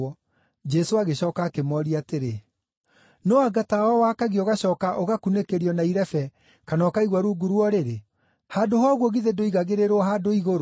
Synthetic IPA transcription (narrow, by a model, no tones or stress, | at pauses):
ɔ | d͡ʒɛsoaɣeɕɔːkaːkemɔɾiateɾe | nɔaɡataɔwakaɣiɔɣaɕɔːkaʔoɣakunekeɾiɔnaiɾɛfɛ | kanɔkaiɣwaɾuːɡuɾwɔɾeɾe | haːdoɦɔɣwɔɣiðedoiɣaɣeɾeɾɔɦaːdoiɣoɾo